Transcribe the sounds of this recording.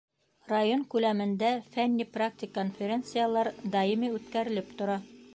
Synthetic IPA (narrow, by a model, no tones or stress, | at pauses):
rajoŋkʉlæmɘ̆nd̪æfænʲːiprak̚t̪ʲɪkːonfʲeɾʲent̪sɨjalˠɑɾd̪ɑjimiʉt̪kæɾɘ̆lɘpt̪ŏɾɑ